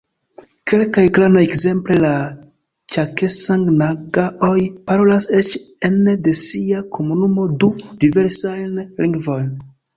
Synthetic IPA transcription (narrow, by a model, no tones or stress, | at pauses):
ke̞lkajklanajekze̞mple̞la | t͡ʃake̞saŋɡnaɡaʔojpaɾo̞lase̞t͡ʃ | ende̞siakʰo̞munumo̞dud̥ive̞ɾsajnliŋɡvo̞jn